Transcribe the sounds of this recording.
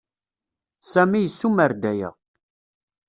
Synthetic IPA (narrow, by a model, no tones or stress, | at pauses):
sæmijəsːuməɾd̪æjæ̰